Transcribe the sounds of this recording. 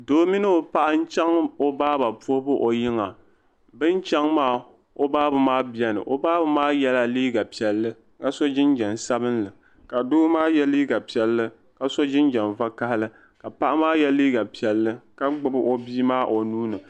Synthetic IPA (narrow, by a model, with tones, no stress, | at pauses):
doː˦mi˦nɨ˦o˨pa˦ʔa˦n̩˦t͡ʃɛ˦ŋo˦baː˦ba˨pu˦o˦bɨ˦ʔo˨jɪ˦ŋa˨ | bɨ˦nt͡ʃɛ˦ŋmaː˦˨ | o˦baː˦bɨ˨maː˦bɛ˦nɨ̰˨ʔo˨baː˦bɨ˨maː˦jɛ˦la˦liː˦ɡa˨pi˨ɛ˨lːɨ˦ | ŋa˦sɔ˦d͡ʒɪ˦nd͡ʒɛ˨n˨sa˦bɨ˦nlɨ˨ | ka˨doː˦maː˦jɛ˦liː˦ɡa˨pi˦ɛ˦lːɨ˦ | ka˨so˦d͡ʒɪ˦nd͡ʒɛ˨nva˦ka˦hɪ˦lɨ˦ | ka˨pa˦ʔa˦maː˦jɛ˦liː˦ɡa˨pi˨ɛ˨lːɨ˦ka˦ɡ͡bɨ˦bɨ˦ʔo˦biː˦maː˦ʔo˨nuː˦nɨ˨